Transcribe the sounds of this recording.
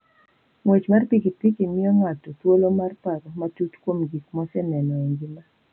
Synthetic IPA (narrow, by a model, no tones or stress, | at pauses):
ŋwet͡ʃmarpikipikimɪɔŋatɔtwolomarpaɾɔmatutkwomɡik̚mɔsɛnɛnɔŋɡima